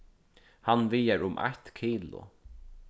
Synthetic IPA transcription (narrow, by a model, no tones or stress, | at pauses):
hanvijaɹʊmʔa̰ht̪kʰiːlʊ̰